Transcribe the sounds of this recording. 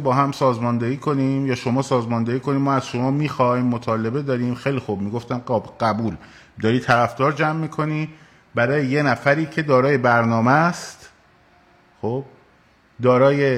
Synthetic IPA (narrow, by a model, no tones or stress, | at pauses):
bɒːɦæmsɒːzmɒːnd̪eiːkʰo̞nimjɒːʃo̞mɒːsɒːzmɒnd̪eɾiːkʰo̞niːmɒːæz̥ʃo̞mɒːmiːxɒjmːot̪ʰɒːle̞be̞d̪ɒːɾiːmxe̞jlixub̚miːɡo̞ft̪ænɒɢ̥æbuːl | d̪ɒːɾiːt̪ʰæɾæfd̪ɒːɾd͡ʒæmːiːkʰo̞niː | bæɾɒːjeje̞næfæɾiːcʰe̞d̪ɒːɾɒːje̞bæɾnɒːmæst̪ | χob̥̚ | d̪ɒːɾɒːje